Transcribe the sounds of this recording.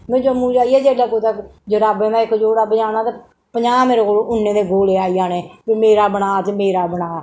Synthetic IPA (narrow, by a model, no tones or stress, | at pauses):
mẽːd͡ʒoːmũːd͡ʒaːiːɛːd͡ʒeːlaːkoːt̪akd͡ʒoɾaːbeːmɛ̃ːɪkd͡ʒoːɽaːbəaːnaːt̪e | pəɲaːmeːɾekoːloːʔʊnːeːd̪eːɡoːleːaːiaːneːpɪmeːɾaːbənaːt̪ːmeːɾaːbənaː